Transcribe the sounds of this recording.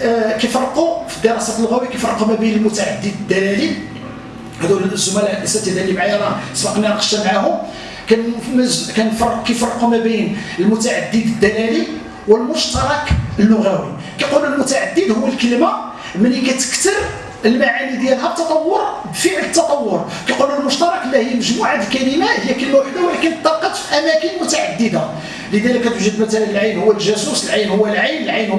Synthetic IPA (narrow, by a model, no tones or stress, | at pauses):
kæjfɑɾˤːqufid̪əɾˤɑsæt̪lːʊɣæwikæjfɑrˤːqumæbəjnəlmʊt̪aʕad̪ːəd̪d̪ːælæli | hæd̪uʒʊmælʔəsæt̪æd̪ælimʕajæɾˤɑsbɑqniɾɑqə̥ʃːæmaʕahʊm | kænkænfɑrˤkæjfɑrˤːqumæbəjnəlmʊt̪aʕad̪ːəd̪əd̪ːælæli | wəlmʊʃt̪ɑɾˤɑkəlːʊɣæwi | kæjqunəlmʊt̪aʕad̪ːəd̪hʊwːælkəlma | mənhikæt̪ə̥kt̪əɾ | əlmaʕanid̪jælɦæb̚t̪ːɑt̪ˤɑwːoɾ | bfəʕlət̪ːɑt̪ˤɑwːoɾ | kæjqunælmʊʃt̪ɑɾˤɑkəlːihəjːæməʒmuʕad̪əlkælimahəjːækəlmæʔəlːæwælikænət̪ˤːɑqːɑt̪fiʔæmækənəlmʊt̪aʕad̪ːəd̪a | ləd̪æləkːæt̪uʒəd̪mæt̪ælənəlʕajnhʊwːælʒæsusəlʕajnhʊwːælʕajnəlʕajn